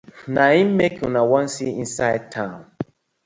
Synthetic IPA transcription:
naĩmmekʰjunawɔ̃nsiĩnsaɪtʰãn

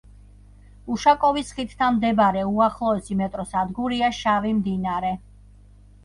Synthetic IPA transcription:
uʃakʼɔvisχit̪ʰt̪ʰanmd̪ɛbaɾɛuaχlˠɔɛsimɛt̪ʼɾɔsad̪ɡuɾiaʃavimd̪inaɾɛ

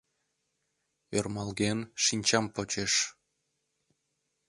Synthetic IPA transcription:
ørmɑlɣenʃinʲt͡ɕɑmpot͡ɕeʃ

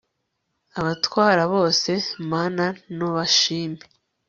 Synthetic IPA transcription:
aβatwaːɾaβo̞ːse̞maːnanoβaʃiːme

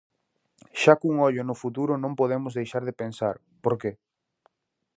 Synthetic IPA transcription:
ʃakuŋɔʎʊnʊfut̪uɾʊnõmpoðemʊzðejʃaɾð̞ɪpẽnsaɾ | poɾke

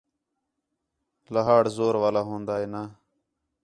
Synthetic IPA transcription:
ləɦaːɽzoːɾʋaːlaːɦõːnd̪aːɦeːnaː

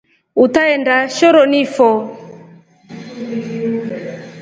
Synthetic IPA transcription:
utaɛndaʃɔɾɔnifɔ

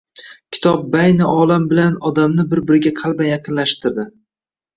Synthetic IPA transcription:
kʲʰɪ̥t̪ʰɒp̚bajnɪʔɒlambɪlanɒd̪amnɪbɪɾbɪɾɪɡʲaqʰɑlˠbajɑqʰɨnlaʃt̪ɪɾd̪ɪ

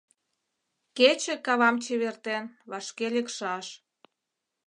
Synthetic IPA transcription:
ket͡ɕĕkɑβɑmt͡ɕeβert̪enβɑʃkelekʃɑʃ

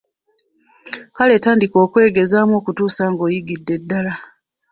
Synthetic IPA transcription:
kale̞ːtaːndiko̞ːkwe̞ːɡe̞zaːmo̞ːkutuːsaːŋɡo̞ːjiɡidːe̞dːala

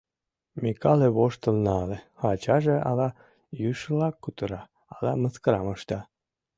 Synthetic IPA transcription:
mʲikɑleβoʃt̪əlnɑlexɑt͡ɕɑʒeɑ̰lɑ | jyʃlˠɑkːut̪uɾɑː | lɑməskəɾɑmɤʃt̪ɑ

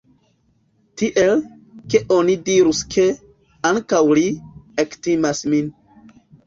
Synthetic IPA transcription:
tiʔe̞l | ke̞ʔo̞nidiɾuskʰe̞ | aŋkawliektimasmin

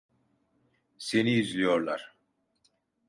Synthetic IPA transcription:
se̞niyzlʲijo̞ɾlˠa̰ɾ̥

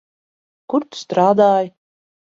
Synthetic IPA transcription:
kuɾt̪st̪ɾaːd̪aːj

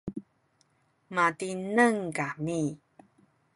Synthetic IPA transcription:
matinəŋkami

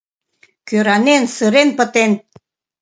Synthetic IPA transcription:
køɾɑnensəɾenpət̪en

